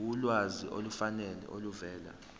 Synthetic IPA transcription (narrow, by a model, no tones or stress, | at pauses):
ulwaziʔo̰lufanɛlɛ̰ʔoluvɛːla̰